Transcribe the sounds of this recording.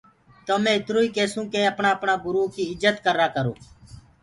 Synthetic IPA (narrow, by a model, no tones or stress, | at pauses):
t̪oːmẽːɪt̪ɾoːiːkeːsũːkẽːəpɳaːəpɳaːɡʊɾuːkiːɪzət̪kəɾaːkəɾo̰ː